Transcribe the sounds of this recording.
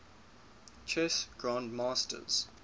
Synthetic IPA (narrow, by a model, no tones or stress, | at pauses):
t͡ʃʰɛsɡ̥ɹãndmaːstə̰z̥